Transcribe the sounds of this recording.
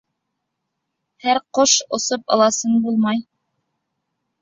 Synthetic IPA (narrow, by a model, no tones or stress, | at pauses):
hæɾqoʃŏ̰sopɑ̰̆lˠɑsɤɴbulˠmɑj